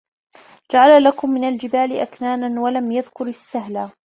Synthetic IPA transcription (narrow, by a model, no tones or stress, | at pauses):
d͡ʒaʕallakʊmːɪnald͡ʒɪbaːlɪʔaknaːnanwalamjaðkʊɾasːaɦlaː